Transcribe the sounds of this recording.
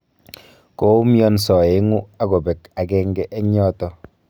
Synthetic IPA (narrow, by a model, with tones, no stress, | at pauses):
ko˦mjɔ˦nsɔ˨e˨˦ŋu˦a˦ko˨bɛ˨ka˨kɛ˦ŋɡɛ˦ʔe˦ɲɔ˦tɔ˦